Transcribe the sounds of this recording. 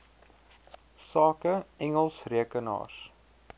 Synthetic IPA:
sɑːkəɛŋəlˠsriəkənɑ̰ːr

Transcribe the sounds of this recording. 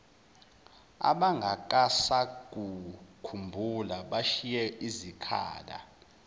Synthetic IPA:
a̰ɓaŋɡʱak̬ʼasak̬ʼukʰumbʱulaɓaʃijɛizikʰa̰ːla̰

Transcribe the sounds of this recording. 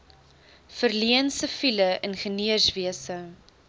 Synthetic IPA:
fərliənsəfiləʔənχəniərsviəsə

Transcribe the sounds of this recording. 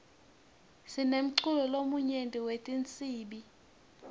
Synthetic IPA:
sinem̩ǀulɔlomuɲentʼiwetʼint͡sʼiːɓi

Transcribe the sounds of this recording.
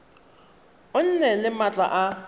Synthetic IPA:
ʊn̩nɛlɪmat͡ɬʼa̰ʔa

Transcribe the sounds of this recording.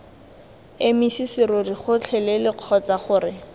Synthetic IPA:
emisisɪɾʊriχʊt͡ɬʰɛlɛlɪq͡χʰɔt͡saχʊːrɪ

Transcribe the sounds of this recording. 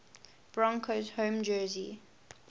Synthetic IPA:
b̥ɹɔ̃ŋkʰozhõːmd͡ʒɜːzḭ

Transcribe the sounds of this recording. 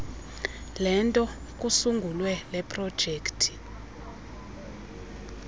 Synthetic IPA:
lɛntʼɔ | k̬ʼusuŋɡʱulwɛlɛpʰʼrɔd̥ʒ̥ʱeːktʰi̥

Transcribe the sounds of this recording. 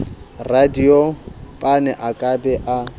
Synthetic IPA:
radiopʼanɛʔakʼabɛʔa

